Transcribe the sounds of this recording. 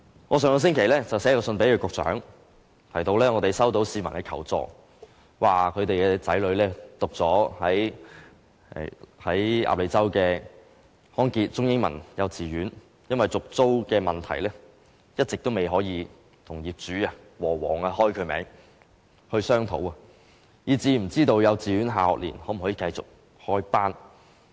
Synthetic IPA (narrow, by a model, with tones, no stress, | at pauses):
ŋɔː˨˧s̬œː˨ŋɔː˧s̬ɪ˥ŋkʰe˨˩jlɛː˥t͡sɐ˨wsɛː˨˥jɐ˧wsɵ˧npe˨˥jkʰɵ˨˧kʊ˨k̚t͡sœ̰ː˨˥ŋ | t̪ʰɐ˨˩jt̪o˧wlɛː˥ŋɔː˨˧t̪e˨˩jsɐ˥wt̪o˨˥wsiː˨˧mɐ˨˩nkɛ˧˥kʰɐ̰˨˩wt͡sɔ̰ː˧ | waː˨kʰɵ˨˧ɥt̪e˨jkɛː˧t͡sɐ˨˥jlɵ˨˧ɥlɛː˥t̪ʊ˨k̚t͡sɔː˨˥hɐ˨˥j | hɐ˨˥jʔa̰˧p̚le˨˧jt͡sɐ˥wkɛː˧ | hɔː˥nkiː˧t̚t͡sʊ˥ŋjɪ˥ŋmɐ̰˨˩njɐ˨˧wt͡siː˨ɥyː˨˥n | jɐ˥nwɐ˨jt͡sʊ˨k̚t͡so˥wkɛː˧mɐ˨nt̪ʰɐ˨˩jlɛː˥ | jɐ˥t̚t͡sɪ˨k̚t̪o˥wme˨jɦɔː˨˥jiː˨˧ | t̪ʰʊ˨˩ŋjiː˨p̚t͡ʃyː˨˥aː˧ | wɔː˨˩wɔ̰ː˨˩ŋaː˧hɔː˥jkʰɵ˨˧ɥmɛ̰ː˨˥ŋ | hɵ˧ɥsœː˥ŋt̪ʰo̰˨˥wɐ˨˧ | jiː˨˧t͡siː˨˧m̩˨˩t͡siː˥t̪o˧wjɐ˨˧wt͡siː˨ɥyː˨˥nɦaː˨hɔ̰˨k̚lḭː˨˩nhɔː˨˥m̩˨ɔ˨˥jiː˨˧kɐ˧jt͡sʊ̰˨k̚ | hɔː˥jpaː˥n